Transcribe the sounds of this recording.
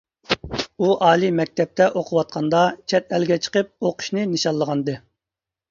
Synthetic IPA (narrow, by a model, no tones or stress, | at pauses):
uʔɑːlˠimɛk̚ʲt̪ʰɛp̚t̪ʰɛʔoqʰʊwɑt̪̚qʰɑnd̪ɑt͡ʃʰɛt̪ɛlɡʲɛt͡ʃʰə̥qəp̚oqʰʊ̥ʃnɨnɨʃɑlˠːəʁɑnɨd̪ɨ